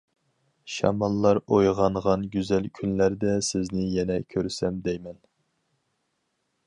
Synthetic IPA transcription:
ʃɑ̰mɑlˠːɑɾojʁɑɴʁɑnɡʲyzɛlkʲʰynlæɾd̪ɛsɪznɪjɛnɛkʲʰøɾsɛmd̪ɛjmɛn

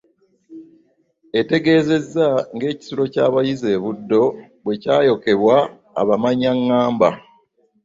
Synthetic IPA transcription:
e̞te̞ɡe̞ːze̞zːaŋɡe̞ːci̥sulo̞caːβajize̞ːβudːo̞ | βwe̞caːjo̞ke̞βwa̰ː | βamaɲaŋːaːmba

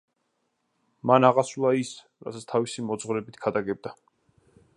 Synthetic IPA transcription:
manaʁasulˠais | ɾa̰sasʰt̪ʰavisimɔd̪zʁɾɛbit̪ʰɡʰad̪aɡɛb̚d̪a

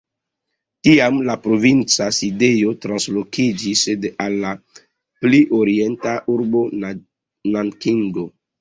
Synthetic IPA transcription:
tiamlapɾo̞vint͡sasidejo̞tɾanslo̞kid͡ʒisedalːa | pliʔoɾie̞ntaʔuɾbo̞ | nankiŋɡo

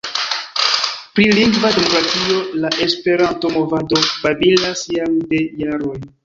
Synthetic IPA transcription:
pɾiliŋɡvade̞mo̞kɾatio̞laʔe̞spe̞ɾanto̞mo̞vado̞babilasjaŋde̞jaɾo̞j

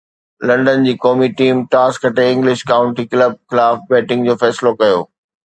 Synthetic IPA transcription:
lɐ̃ɳɖənd͡ʑiːkɔːmiʈiːmʈaːskʰɐʈeɪ̃ŋɡlɪʃkaːʊ̃ɳʈikləb̚xɪlaːfbɛːʈɪ̃ŋɡd͡ʑoːfɛːslokɐjo̰ː

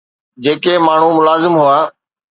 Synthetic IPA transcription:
d͡ʑeːkemaːɳ̤ũmʊlaːzɪmɦʊaː

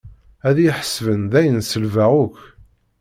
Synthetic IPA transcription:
æðjiħə̥svənðæjənsəlvæʁʊk

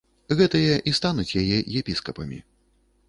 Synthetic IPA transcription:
ɣɛt̪ɨjɛʔist̪anut͡sʲjajɛjɛpʲiskɐpɐmʲḭ

